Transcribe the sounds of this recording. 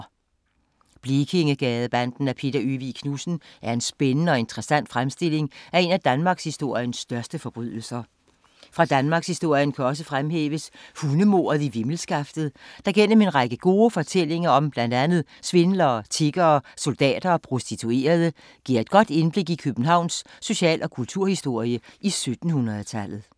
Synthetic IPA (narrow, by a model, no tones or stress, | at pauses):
b̥lekʰe̝ŋəɡ̥ɛːðˠb̥ænd̥n̩æpʰe̝̰d̥ɐyʋikʰnusn̩ʔæɐe̝nsb̥enənəɒ̽e̝nt͡sʰʁɛsæn̰d̥fʁamsd̥e̝l̰e̝ŋæe̝næd̥ænmɑ̈ɡ̥shisd̥o̝ɐ̰jənsːd̥ɶɐsd̥əfɒ̽b̥ʁy̰ð̰ˠl̩sɐ | fʁɑ̈d̥ænmɑ̈ːɡ̥shisd̥o̝ɐ̰jənkʰæɒ̽səfʁamɦḛːʋəshunəmo̝̰ːɐðˠiʋiml̩sɡ̥ɑ̈fd̥ð̩ˠd̥ɑ̈ɡ̥en̰əme̝nʁɑ̈ɡ̥əɡ̥o̝ːfɒ̽t͡sʰel̰e̝ŋɐɒ̽mb̥læn̰d̥ænð̞̩ˠsʋe̝nlɐːt͡sʰe̝ɡ̥ɐːso̝ld̥ɛ̰ːd̥ɐːpʰʁo̝sd̥it͡sʰue̝̰ːɐð̞ˠə | ɡ̥iɐ̰e̝d̥̚ɡ̥ɒ̽d̥e̝nb̥le̝ɡ̥ikʰøb̥n̩ɦɑ̈ʊ̰nsːo̝ɕɛ̰ːlʔɒ̽kʰult͡sʰuɐ̰hisd̥o̝ɐ̰ijəisød̥n̩hunʁɐðˠt͡sʰæl̰ð̩ˠ